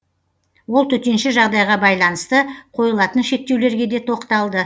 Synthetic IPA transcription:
wo̞lˠt̪ʰɵt̪e̞nʃɪʒɑʁd̪ɑjʁɑbɑjlˠɑnəst̪əqʰo̞jəlˠɑt̪ənʃe̞k̚t̪ewle̞ɾɡʲe̞d̪e̞t̪ʰo̞qt̪ɑlˠd̪ə

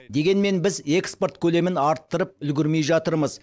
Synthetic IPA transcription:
d̪e̞ɡʲe̞nme̞nbɪze̞kspo̞ɾt̪kʲʰɵle̞mɪnɑɾt̪ːəɾəp̚ʏlɡʲɪɾme̞jʒɑt̪əɾməz

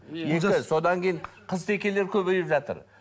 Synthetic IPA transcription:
jekɪso̞d̪ɑŋkʲejɴqʰəzt̪ʰe̞kʲe̞le̞ɾkʲʰɵbej̪ɪpʒɑt̪ə̰ɾ

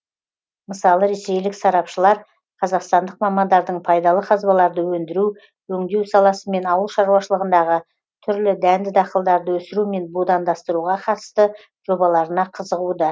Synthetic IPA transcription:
məsɑlˠəɾe̞se̞jlɪksɑɾɑpʃəlˠɑɾ | qʰɑzɑqst̪ɑnd̪əqmɑmɑnd̪ɑɾd̪əɴpʰɑjd̪ɑlˠəqʰɑzbɑlˠɑɾd̪əwɵnd̪ɪɾu | wɵŋd̪e̞wsɑlˠɑsəme̞nɑwəlˠʃɑɾuwɑʃəlˠəʁənd̪ɑʁə | t̪ʰʏɾlɪd̪ænd̪ɪd̪ɑqəlˠd̪ɑɾd̪əwɵsɪɾume̞nbud̪ɑnd̪ɑst̪əɾuʁɑqʰɑt̪ə̥st̪ə | ʒ̥o̞bɑlˠɑɾənɑqʰəzəʁud̪ə

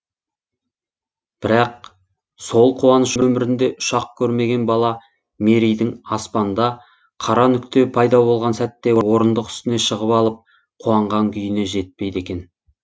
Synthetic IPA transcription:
b̥ɪɾɑq̚ | so̞lˠqʰuwɑnəʃɵmɪɾɪnd̪e̞ʔʊ̥ʃɑq̚kʲʰɵɾme̞ɡʲe̞nbɑlˠɑ | meɾijd̪ɪŋɑspɑnd̪ɑ | qʰɑɾɑnʏkt̪e̞pʰɑjd̪ɑbo̞lˠʁɑnsæt̪ːe̞wo̞ɾənd̪əqʏ̥st̪ɪne̞ʃəʁəpɑlˠəp̚ | qʰuɑɴʁɑŋkʲʰʏjɪne̞ʒe̞t̪̚pe̞jt̪e̞kʲe̞n

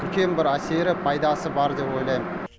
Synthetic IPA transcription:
ʏɾkʲe̞nbɪɾæse̞ɾɪpʰɑjd̪ɑsəbɑɾd̪e̞po̞jlˠɑjmə

